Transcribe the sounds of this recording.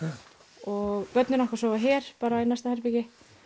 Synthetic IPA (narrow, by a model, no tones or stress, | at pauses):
ɔɣpœt̪nɪnɔhkvḁsɔːvaçɛɾ̥paːɾainajst̪ahɛɾpɪcɪ